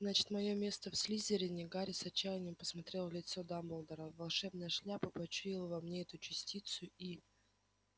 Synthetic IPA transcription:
znat͡ɕɪ̥t̪mɐjo̞mʲe̞st̪əfsʲlʲizʲɪɾʲɪnʲɪɡaɾʲɪsɐt͡ɕːæjɪnʲɪjmpə̥smɐt̪ɾʲelˠlʲɪt̪sod̪ambəlˠd̪əɾəvɐlˠʂɛbnəjəʂlʲapəpɐt͡ɕʊilˠəvɐmnʲeɛt̪ʊt͡ɕɪsʲtʲit̪sʊi

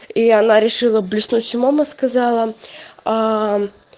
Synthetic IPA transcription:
iɐnaɾʲɪʂɨlˠəblʲɪsnusʲmaməskɐzɑlˠəa

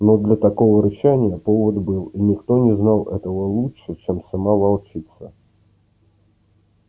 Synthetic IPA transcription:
nɔd̪lʲɐt̪akɔvəɾɨɕanʲɪjəpovəd̪bɨlˠinʲɪkt̪onʲɪznalˠɛ̰t̪əvəlˠutʂɨt͡ɕɛmsamavalˠt͡ʃit̪sə̰

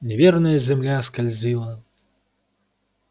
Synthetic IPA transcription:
nʲɛvʲɛrnɐjɐzʲɛmlʲaskalʲzʲilˠɐ

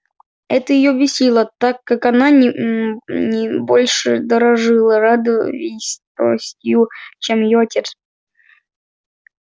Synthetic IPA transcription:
ɛt̪əjɪjobʲɪsʲilˠət̪akːakananʲ | nʲɪbolʲʂɨ̰d̪əɾɐʐɨlˠəɾad̪ɨvʲɪsʲt̪o̰sʲtʲjut͡ɕemɪjoɐtʲet̪s

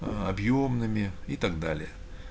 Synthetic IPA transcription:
ɐbjomnɨmʲɪit̪aɡd̪alʲɪjə

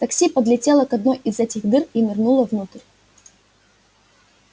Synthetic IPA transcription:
t̪ɐksʲipəd̪lʲɪtʲelˠəkɐd̪nojʔɪzɛtʲɪɣd̪ɨrimʲɪrnulˠəvnut̪ɨɾʲ

